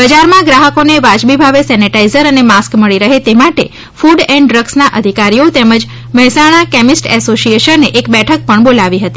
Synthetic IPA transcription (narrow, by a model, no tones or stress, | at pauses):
bəd͡ʒaɾmãɡɾaɦəkoneʋad͡ʒbibʱaʋesɛniʈaizəɾənemaskməɭiɾəɦet̪emaʈe | fuɖɛ̃ɳɖɖɾəɡsnaʔəd̪ʱikaɾijot̪ɛməd͡ʒ | məɦɛsaɽ̃akɛmisʈɛsoʃieʃənːeʔekbɛʈʰək̚pəɳbolaʋiɦət̪i